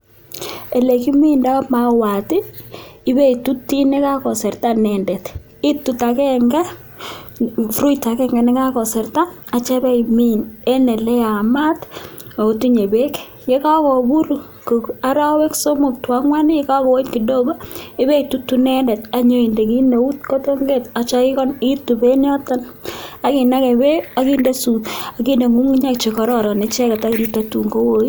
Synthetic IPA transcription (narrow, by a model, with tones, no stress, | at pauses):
e˨le˨ki˦mi˦nda˦ma˨wa˨tɪ˦ɪ˦be˦i˨tu˦tːi˦ne˦ka˦kɔ˨sɛ˨rta˦nɛ˨ndɛ˨t | ɪ˦tu˦ta˨kɛ˦ŋɡɛ˦ | fru˦ita˨kɛ˦ŋɡɛ˨nɪ˦ka˦kɔ˨sɛ˨rta˦ | a˨t͡ʃɛ˦bɛ˦imi˦nɛ˦nɛ˨lɛ˦ja˨ma˦t | a˨tu˦ɲe˨be˦k | je˦ka˦kɔ˨bu˦ɾu˨ | ko˨ka˦ɾɔ˦wɛ˦kso˦mo˨k̚twa˦ŋwa˦nɪ˦je˦ka˦kɔ˨wo˦tki˨do˦ba˦ɪ˦be˦itutu˦nɛ˦ndɛ˨t̚a˨ɲo˦i˨nde˨ki˦ne˨u˦tko˦to˦ŋɡe˦ta˨t͡ʃa˦ɪ˦kɔ˦nitu˨be˦n˦ɔ˦tɔ˦n | a˨ki˨na˦kɛ˨be˦a˨ki˦nde˦su˨a˨ki˦nde˨ŋu˦mu˦ɲa˦kt͡ʃe˨kɔ˦ɾɔ˦ɾɔ˨nɪ˦t͡ʃɛ˦ka˨ta˦ki˨ɾita˨tu˨ŋɡo˦wo˦ji˦